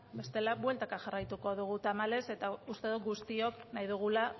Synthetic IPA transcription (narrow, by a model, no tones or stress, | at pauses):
be̞st̪e̞laβwe̞lt̪akaxarajt̪uko̞ðuɣ̞ut̪amale̞se̞t̪aust̪e̞ð̞uɡust̪io̞knajðuɣ̞ula